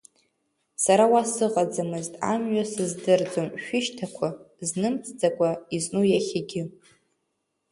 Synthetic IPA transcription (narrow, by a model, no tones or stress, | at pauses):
saɾawasɨqʼad͡zamɨztʼa̰mɥasɨzdɨrd͡zomʃᶣʊʃtʰakʷʰa | znɨmt͡sʰʼd͡zakʷʼaiznujaχʲaɡʲɪ